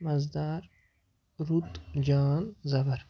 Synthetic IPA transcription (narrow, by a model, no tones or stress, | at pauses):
mɐzd̪aɾ | ɾut̪d͡ʒaːnzɐbɐɾ